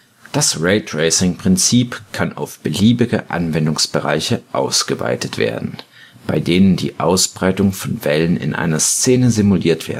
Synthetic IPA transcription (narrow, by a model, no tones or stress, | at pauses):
d̥asʁeɪtʁeɪsɪŋpʁ̥ɪnt͡siːpkʰanʔa̰ʊfb̥əliːbɪɡəʔa̰nvɛndʊŋsb̥əʁa̰ɪçəʔa̰ʊsɡ̥əva̰ɪtətv̥ḛːɐdn̩ | b̥a̰ɪdeːnəndḭːʔaʊsb̥ʁaɪtʊŋfɔnvɛlənɪ̰nʔa̰ɪnɐst͡seːnəzimuliːɐtv̥ḛːɐ